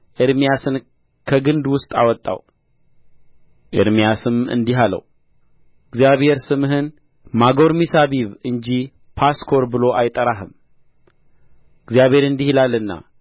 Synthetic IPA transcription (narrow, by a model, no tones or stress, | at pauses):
ʔɪɾmijasɨn | kʰəɡɨnd̪wʊst̪ʼa̰wɔt̪ʼːa̰w | ʔɪ̰ɾmijasɨmɨ̰nd̪iɦalə̰w | ɪɡzijaβhe̞ɾsɨmɦɨn | maɡo̞ɾmisaβiβɨnd͡ʒi | pʰaskʰo̞ɾbɨlo̞ʔajt̪ʼːəɾaɦɨm | ɪɡzjaβhe̞ɾɨnd̪ihilalːɨnːa̰